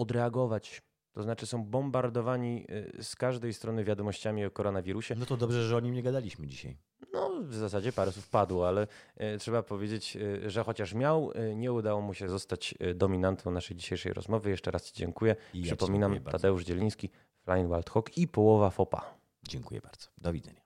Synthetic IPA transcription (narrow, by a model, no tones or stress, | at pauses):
ɔd̪ɾɛaɡɔvat͡ɕ | t̪ɔznat͡ʂɘsɔ̃w̃bɔmbaɾd̪ɔvaɲiskaʐd̪ɛjst̪ɾɔnɘvʲjad̪ɔmɔɕt͡ɕamʲiɔkɔɾɔnavʲiɾuɕɛnɔt̪ɔd̪ɔbʐɛʐɛɔɲimɲɛɡad̪alʲiɕmɘd͡ʑiɕa̰j | nɔvzasad͡ʑɛpaɾɛswufpad̪wɔalɛtʂɛbapɔvʲjed͡ʑet͡ɕʐɛxɔt͡ɕaʂmʲjawɲɛud̪awɔmuɕɛzɔst̪at͡ɕd̪ɔmʲinant̪ʰɔ̃w̃naʂɛjd͡ʑiɕejʂɛ̰jɾɔ̰zmɔvɘjɛʂt͡ʂɛɾast͡ɕid͡ʑɛŋkujɛʂɘpɔmʲinama̰d̪ɛuʐd͡ʑɛlʲij̃skʲi | flajinwalt̪xɔkipɔwɔvafɔpa̰ | d͡ʑɛŋkujɛ̰baɾd̪z̥ɔ̥d̪ɔvʲid̪zɛ̰ɲa